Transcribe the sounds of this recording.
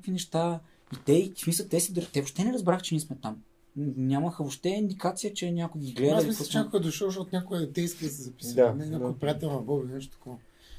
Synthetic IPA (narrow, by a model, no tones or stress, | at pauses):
kvinɛʃt̪a | it̪ɛiki̥smisˠət̪ɛsid̪ɾt̪ɛvoʃt̪ɛnɛɾɐzbɾaxt͡ʃɛnismɛt̪am | nʲamɐxəvoʃt̪ɛind̪ikat̪sijət͡ʃɛnʲakʊjɡʲiɡlɛd̪səimiɔnʲakoɡəd̪oʃɔʃ̬ɔt̪nʲakʊɡəd̪ɛjskid̪ɐsɛzɐpi̥d̪anɛnʲaʊpɾʲijat̪ɛlnɐbɔbɛnɛʃ̬t̪ot̪ɐ̥kɔvɐ